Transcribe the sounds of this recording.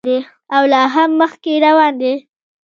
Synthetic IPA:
d̪e | awlɑɦamːəxkeɾawɑnd̪e

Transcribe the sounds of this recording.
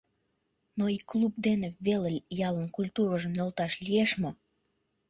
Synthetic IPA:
noiklub̚d̪eneβeləlʲjɑlənkulʲt̪uɾəʒəmnolt̪ɑʃlijeʃmo

